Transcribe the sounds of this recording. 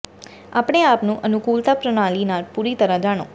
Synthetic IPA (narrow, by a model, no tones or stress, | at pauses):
a̰ːpɽ̃eaːpnũʔənukuːlt̪apɾəɽ̃aːlinaːɾpuɾit̪əɾãd͡ʒaːɽ̃õ